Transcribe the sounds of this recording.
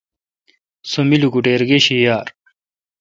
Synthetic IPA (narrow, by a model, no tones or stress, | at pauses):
somiluɡuʈeːɾɡeɕijaːɾ